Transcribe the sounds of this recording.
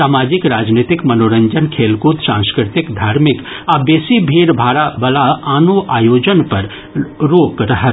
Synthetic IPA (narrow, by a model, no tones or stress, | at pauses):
saːmaːd͡ʒɪkɾaːd͡ʒneːt̪ɪkmɐnoːɾə̃ɲd͡ʒənkʰeːlkut̪sãːnskɾɪt̪ɪkd̪ʱaːɾmɪk | aːbjeːsibʱiːɽbʱaːɾabɐlaaːnoʔaːjoːd͡ʒənpɐɾ | ɾoːkɾɐɦə